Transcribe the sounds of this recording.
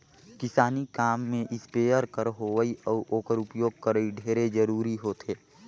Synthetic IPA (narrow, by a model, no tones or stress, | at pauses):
kɪsaːnikaːmːẽʔɪspeːjəɾkəɾɦoʋəiʔɔːɾʔoːkəɾʊpjoːɡ̚kəɾəiɖʱeːɾed͡ʒəɾuːɾiɦoːt̪ʰeː